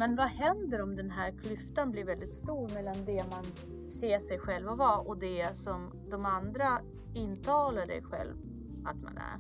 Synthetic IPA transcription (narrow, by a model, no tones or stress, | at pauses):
mɛnvahɛnd̪əɾɔmd̪ɛnɦæːɾkʰlʏft̪anblɪɾvɛld̪ɪt̪st̪uːɾmɛlːand̪ɛman | seːʂɛjɧɛlvavaʔɔd̪ɛsɔm | d̪ɔmand̪ɾa | ɪnt̪ʰɑːlaɖɛ̰jɧɛ̰lv | a̰t̪ma̰næ̰ɾ